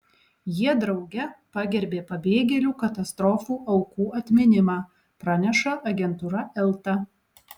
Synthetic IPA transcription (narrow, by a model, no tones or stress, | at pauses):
jiɛd̪ɾɒʊɡʲɛpɑːɡʲɛɾʲbʲeːpɐbʲeːɡʲɛlʲuːkɐt̪ɐst̪ɾɔːfuːʔɐʊkuːʔɐt̪ʲmʲɪnʲɪmɑː | pɾɑnʲɛʃɐʔɐɡʲɛnt̪ʊɾɐʔɛlˠt̪ɐ